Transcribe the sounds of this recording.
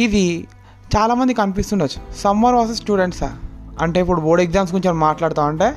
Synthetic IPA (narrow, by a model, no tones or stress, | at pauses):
id̪i | t͡ʃaːlaːmɐnd̪ikɐmip̬ist̪unːɐt͡ʃːu̥sɐmːɐɾʋaːsesʈuːɖe̞ɳʈsa̰ːɐɳʈe̞ːipːuɽuboːɽeɡzaːmsɡuɾiɲt͡ʃɐnmaːʈlaːɽt̪aːmɐɳʈe̞ː